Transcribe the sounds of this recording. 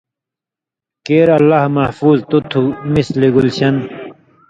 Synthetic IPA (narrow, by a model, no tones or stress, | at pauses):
keːɾɐlːahmɐhfuːzt̪ut̪ʰumisliɡulɕɐn